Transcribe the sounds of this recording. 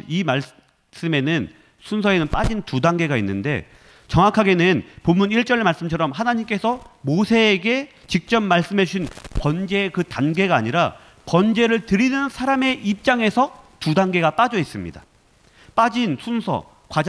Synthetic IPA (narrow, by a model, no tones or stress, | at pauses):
imaɭ | s͈ɯme̞nɯn | sʰunsʰʌe̞nɯnp͈ad͡ʑintudaŋɡe̞ɡainːɯnde̞̰ | t͡ɕʌŋwakʰaɡe̞nɯnpomːuniɭt͡ɕ͈ʌɾemaɭs͈ɯmt͡ɕʰʌɾʌmɦanaɲimk͈e̞sʰʌmosʰe̞ːɡe̞ | t͡ɕik̚t͡ɕ͈ʌmːaɭs͈ɯmɦed͡ʑuɕʰinpʌnd͡ʑe̞ːkɯtanɡe̞ɡaːɲiɾa | pʌnd͡ʑe̞ɾɯɭtɯɾinɯnsʰaɾame̞ʔip̚t͡ɕ͈aŋe̞sʰʌtudaŋɡe̞ɡap͈ad͡ʑʌis͈ɯmɲḭda̰ | p͈ad͡ʑinsʰunsʰʌ̰ | kwad͡ʑ